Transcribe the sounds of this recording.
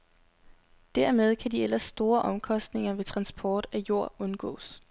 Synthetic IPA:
d̥æɐmeð̞ˠkʰæd̥ielɐsːd̥o̝ːɐʔɒ̽mkʰɒ̽sd̥ne̝ŋɐʋe̝t͡sʰʁɑ̈nsb̥ʰɒːd̥æjo̝ɐ̰ɔ̽nɡ̥ɔ̰̽ːs

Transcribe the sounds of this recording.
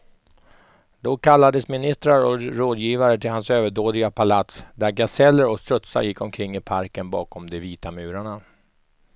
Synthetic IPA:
d̪̥ɔkʰalːad̪əsmɪnɪst̪ɾaɾɔɾoːd̪jiːvaɾət̪ʰɪlhansøːvəɖoːd̪ɪɡapʰalat̪sd̪æɾɡasɛlːəɾɔst̪ɾɵt̪sa̰jɪkːɔmkʰɾɪŋːɪpʰaɾkənbɑːkɔmd̪ɛviːt̪amʉ̟ːɾaɳa

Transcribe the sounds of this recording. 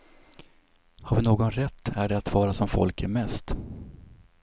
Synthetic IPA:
haɾvɪnoːɡɔnɾɛt̪ʰːæɖɛat̪vɑːɾasɔmfɔ̰lkʰæɾmɛst̪

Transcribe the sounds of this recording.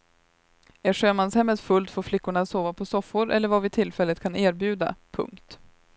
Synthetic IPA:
æʂøːmanshɛmːət̪fɵlt̪foːɾflɪkːʊɳasoːvapʰɔsɔfːʊɾʔɛ̰lːəɾvavɪt̪ʰɪlfɛlːət̪kʰaneːɾbjʉ̟ːd̪a̰pʰɵ̰ŋkt̪

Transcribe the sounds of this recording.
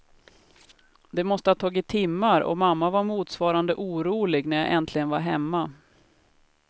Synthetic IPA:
d̪ɛmɔst̪əhat̪ʰɑːɡɪt̪ʰːɪmːaɾɔ̰mamːavaɾmuːt̪svɑːɾand̪əʔuːɾuːlɪɡnæɾja̰ʔɛnt̪ʰlɪɡənvaɾɦɛmːa

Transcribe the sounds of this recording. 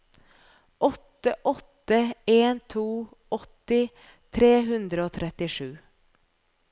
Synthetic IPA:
ʔɔt̪əʔɔt̪əeːnt̪ʰuːɔt̪ɪ | t̪ʰɾeːɦʉnd̪ɾəoːt̪ʰɾɛt̪ɪʂʉː

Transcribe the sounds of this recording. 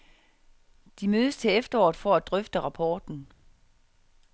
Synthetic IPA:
d̥imøːð̞ˠəst͡sʰe̝efd̥ɐɒːð̩ˠfɒæd̥ʁœfd̥əʁɑ̈pʰɒːd̥n̩

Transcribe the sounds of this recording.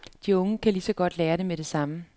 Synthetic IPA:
d̥iɔ̽ŋəkʰælisɒ̽ɡ̥ɒ̽d̥leːɐɾ̥emeɾ̥e̝sɑ̈mə

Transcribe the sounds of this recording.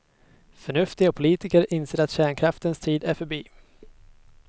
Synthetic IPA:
fœɳɵft̪ɪɡapʰʊliːt̪ɪkəɾɪnseːɾat̪ɕæːɳkʰɾaft̪ənst̪ʰiːd̪æɾfœbiː

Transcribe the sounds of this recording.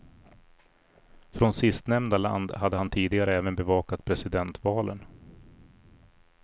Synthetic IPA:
fɾɔnsɪst̪nɛmnd̪ala̰nd̪had̪ːəhant̪ʰiːd̪ɪɡaɾəɛːvənbɛvɑːkat̪pʰɾɛsɪd̪ɛnt̪vɑːlə̰n

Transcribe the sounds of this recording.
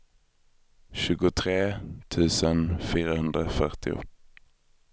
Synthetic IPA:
ʃʉːɡʊt̪ʰʁeːt̪ʰʉːsənfiːʁəhʉnd̪ʁəfœʁt̪ɪ̰ʊ̰

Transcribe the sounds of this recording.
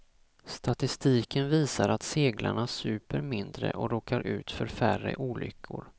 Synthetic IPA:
st̪ʰat̪ɪst̪iːkʰənviːsaɾat̪seːɡla̰ɳasʉ̟ːpəɾmɪnd̪ɾə̰ʔɔɾoːkʰaɾʔʉ̟ːt̪fœɾfærə̰ʔuːlʏ̰kʰːʊɾ

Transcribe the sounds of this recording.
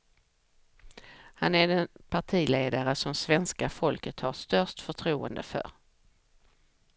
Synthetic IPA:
hanæɖɛnpʰaʈʰiːleːd̪aɾəsɔmsvɛnskafɔlkət̪haʂt̪œʂt̪fœʈʰɾuːə̰nd̪əfœ̰ɾ

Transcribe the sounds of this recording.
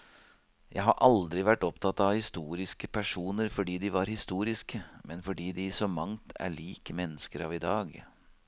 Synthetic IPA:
jæ̰ɪɦɑɾʔɑld̪ɾɪʋæʈːɔpt̪ʰɑt̪ɑʋhɪst̪uːɾɪskəpʰæʂuːnəɾfɔɖiːd̪ɪʋɑɾhɪst̪uːɾɪskəmɛnfɔɖiːd̪ɪsɔmɑŋt̪ʰæ̰ɭiːkəmɛnːəskəɾɑʋɪd̪ɑːɡ

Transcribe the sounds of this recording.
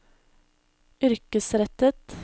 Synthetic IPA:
ʏɾkəsɾɛt̪ət̪

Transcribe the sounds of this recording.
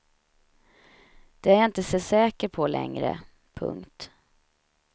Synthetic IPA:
d̪̥ɛæɾjɑɪnt̪əsɛsɛːkəɾpʰɔlɛ̰ŋɾə̰ | pʰɵ̰ŋkt̪

